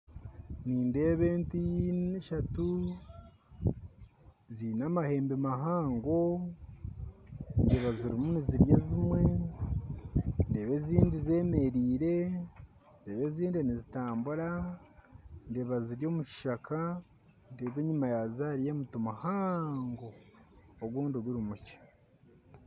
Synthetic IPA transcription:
niːnde̞ːβeːntijiʃatu | ziːnamahe̞ːmbemaɦaːŋɡo̞ | nde̞ːβaziɾimuniziɾjezimwe̞ | nde̞ːβe̞ziːndize̞ːme̞ɾiːɾe̞ | ndeːβe̞ziːndinizitaːmbuɾa | nde̞ːβaziɾjo̞ːmuci̥ʃakʰa | nde̞ːβeɲimajazaːɾijeːmutomahaːŋɡo̞ː | ɡwuːnduɡiɾimucḁ

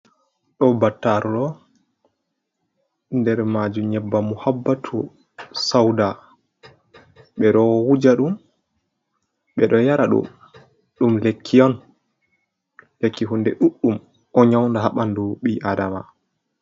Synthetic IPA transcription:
ɗɔbatːaɾɗɔ | ndɛɾmad͡ʒumɲɛbːamuhabːatʰu | sawda | ɓɛɗɔwwud͡ʒaɗum | ɓɛɗɔjaɾaɗṵ | ɗumlekʰːijɔn | lekːiɦundɛɗuɗːum | ʔɔɲawndaɦaɓanduɓiʔadama̰

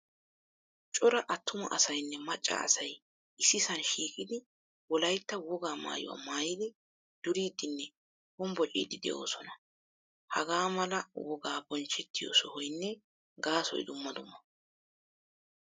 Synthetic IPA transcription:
t͡ʃʼɔɾɐʔɐt̪ːʊmɐ̰ʔɐsɐjnːɛmɐt͡ʃʼːa̰ːsɐj | ʔɪsɪsɐnʃiːkʼɪd̪ɪ | wɔlɐjt̪ːɐwɔɡaːma̰ːjʊ̰wa̰ːmaːjɪd̪ɪ | d̪̥ʊɾiːd̪ɪnːɛ | hɔmbɔt͡ʃʼḭːd̪ɪd̪ɛ̰ʔo̰ːsɔnɐ | hɐɡaːmɐlɐwɔɡaːbɔnt͡ʃːɛt̪ːɪjɔ̰sɔhɔjnːɛ | ɡaːsɔ̰jd̪ʊmːɐd̪ʊmːɐ

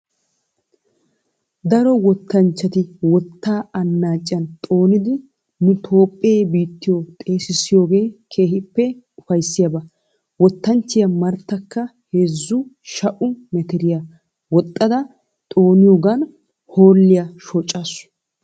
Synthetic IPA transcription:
d̪ɐɾɔwɔt̪ːɐnt͡ʃːɐt̪ɪwɔt̪ːaːʔɐnːaːt͡ʃʼːɐnt̪ʼo̞ːnɪd̪ɪ | nʊt̪ʰo̞ːpʼːeːbiːt̪ːɪjot̪ʼe̞ːsɪsɪjo̞ːɡe̞ːkʰe̞ːhɪpːɛ | ʊfɐjsːɪjɐbɐ | wɔt̪ːɐnt͡ʃːɪjɐmɐɾt̪ːɐkːɐhezːʊ | ʃɐʔʊmɛt̪ɛɾɪja | wɔt̪ʼːɐd̪ɐ | t̪ʼoːnɪjoːɡɐn | hoːlːɪjɐʃot͡ʃʼːasʊ̥

